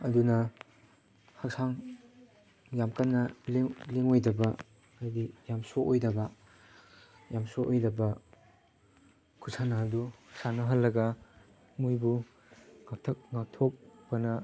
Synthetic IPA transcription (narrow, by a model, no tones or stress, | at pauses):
ɐdunɐ | hɐk̚saŋ | jamkanːɐliŋliŋojdɐbɐː | dijamsoojdɐbɐ | jamsoʔojdɐbɐ | kʰusanaɐdukʰsanɐɦɐlːɐɡɐ | mujbu | ŋak̚tʰɐk̚ŋak̚tʰok̚b̥ɐnɐ